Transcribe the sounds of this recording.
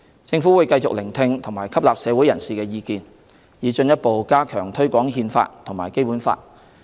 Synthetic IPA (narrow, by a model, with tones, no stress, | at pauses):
t͡sɪ˧ŋfuː˨˥wuː˨˧jkɐ˧jt͡sʊ˨k̚lɪ˨˩ŋt̪ʰɪ˧ŋt̪ʰʊ˨˩ŋmaː˨˩jkʰɐ˥p̚laː˨p̚sɛː˨˧wu˨˥jɐ˨˩nsiː˨kɛː˧jiː˧kiː˨n | jiː˨˧t͡ʃɵ˧njɐ˥t̚po˨wkaː˥kʰœː˨˩ŋt̪ʰɵ˥ɥkʷɔː˨˥ŋɦiː˧nfa̰ː˧t̚t̪ʰʊ˨˩ŋmaː˨˩jke˥jpu˨˥nfa̰ː˧t̚